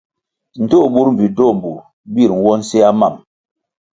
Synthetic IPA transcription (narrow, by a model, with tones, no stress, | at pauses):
n̩˨to˦˨ɓu˦ɾm̩˨vi˨do˦˨m̩˨bu˨ | bi˦˨ɾŋ˨˦wɔ˦n̩˦se˦a˦ma˦˨m